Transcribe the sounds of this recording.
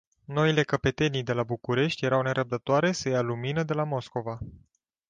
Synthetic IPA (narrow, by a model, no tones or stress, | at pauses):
no̞ile̞kəpe̞t̪e̞nid̪e̞labukuɾe̞ʃt̪ʲje̞ɾawne̞ɾʔəp̚d̪ət̪oaɾe̞səjaluminəd̪e̞lamo̞sko̞va